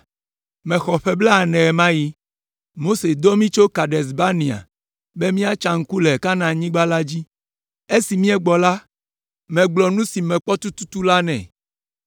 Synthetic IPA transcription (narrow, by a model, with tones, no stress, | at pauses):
mɛ̃˨xɔ˨ɸɛ˦blɛ˦a˨nɛ̃˨ɛ˨mã˦ji˦ | mo˦se˨d̪ɔ˦mĩ˦t͡ʃo˦ka˨ɖɛ˨s̬ba˦nĩ˨a̰˨ | be˦mĩ˦a˦t͡ʃã˨ŋ̩˦ku˦lɛ˨ka˦nã˨ɲĩ˦ɡ͡ba˦la˦d͡ʑi˦ | e˦si˨mĩ˦ɛ˦ɡ͡bɔ˨la˦ | mɛ̃˨ɡ͡blɔ˨nũ˦si˨mɛ̃˨k͡pɔ˦t̪u˦t̪u˦t̪u˦la˦nɛ̰̃˨